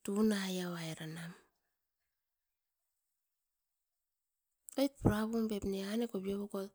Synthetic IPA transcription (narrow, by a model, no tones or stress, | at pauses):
tunajawajɾanam | ajt̚puɾaβombepneanekobioβuɡol